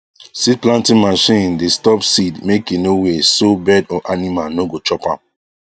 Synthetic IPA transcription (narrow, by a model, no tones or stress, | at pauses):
sid̚plãntĩnmaʃĩndestɔpsidmekinowesobɛdɔʔanimalnoɡot͡ʃɔpã̰m